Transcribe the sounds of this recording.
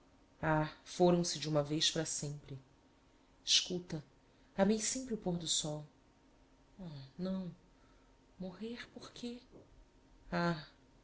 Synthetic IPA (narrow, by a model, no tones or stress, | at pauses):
afoɾɐ̃w̃sɪd͡ʒɪũmɐvejʃpɾɐsẽmpɾɪ | ɪʃkut̪ɐ | amejsẽmpɾɪʊpoɦd̪ʊsɔw | anɐ̃w̃ | moɦeɾpoχkʰe | a